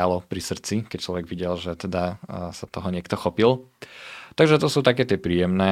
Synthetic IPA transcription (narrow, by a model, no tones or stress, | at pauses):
alɔpɾisr̩t͡sikɛct͡ʃlɔʋɛɡʋiɟɛlʒɛt̪ɛd̪asat̪ɔɦɔɲɪɛkt̪ɔxɔpil | t̪aɡʒɛt̪ɔsuːt̪akɛːt̪ɪɛpɾiːjɛmnɛː